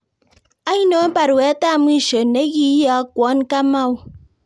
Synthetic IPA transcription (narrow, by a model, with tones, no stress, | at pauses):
a˦ji˦no˨a˦ba˨ɾwe˨a˦ta˦˨mi˦˨ʃo˨ne˦ɣi˦ja˨˦kʷɔ˨˦n˦ka˦ma˦˨w